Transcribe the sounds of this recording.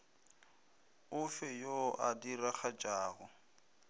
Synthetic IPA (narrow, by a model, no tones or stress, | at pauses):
ʊfɛjoʔadiraχad͡ʒʼaːɣʊ